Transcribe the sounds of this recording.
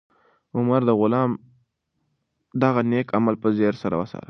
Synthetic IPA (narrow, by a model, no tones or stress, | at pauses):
ʊmaɾd̪əɣʊlɑm | d̪aɣanekamalpəzeɾsaɾa̰wəsɑ̰ɾə